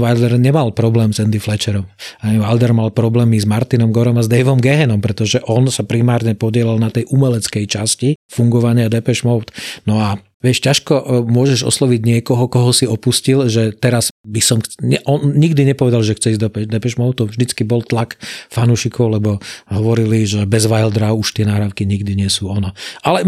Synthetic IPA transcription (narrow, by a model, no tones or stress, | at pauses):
ʋajd̪ɛɾɲɛmalpɾɔblɛːmzɛnd̪iflɛt͡ʃɛɾɔmaʋald̪ɛɾmalpɾɔblɛːmizmaɾt̪inɔmɡɔɾɔmazd̪ɛjʋɔmɡɛɦɛnɔmpɾɛt̪ɔʒɛʔɔnsapɾimaːɾɲɛpɔɟɪɛlalnat̪ɛjʔumɛlɛt͡skɛjt͡ʃascifuŋɡɔʋaɲɪad̪ɛpɛʃmɔʊt̪nɔa | ʋɪɛʃcaʃkɔmʊɔʒɛʒɔ̰slɔʋiɟɲɪɛkɔɦɔkɔɦɔsiɔpuscilʒɛt̪ɛɾazbisɔmxt͡sɲɛʔɔnɲiɡd̪iɲɛpɔʋɛd̪alʒɛxt͡sɛizd̪ɔpɛd̪ɛpɛʃmɔʊt̪ɔʊʒd̪it͡skibɔlt̪lakfanuʃikɔʊlɛbɔɦɔʋɔɾiliʒɛbɛzʋajld̪ɾaʊuʃt̪ɪɛnaːɦɾaːʊkiɲiɡd̪iɲɪɛsuːɔnɔalɛ